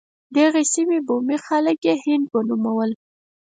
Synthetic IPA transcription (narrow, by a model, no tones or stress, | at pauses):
d̪aɣesimebomixaləkjehɪnd̪̚bənumawəl